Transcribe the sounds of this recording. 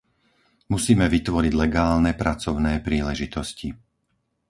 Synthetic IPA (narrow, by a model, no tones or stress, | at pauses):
musiːmɛʋit̪ʋɔɾiɟlɛɡaːlnɛpɾat͡sɔʊnɛːpɾiːlɛʒit̪ɔsci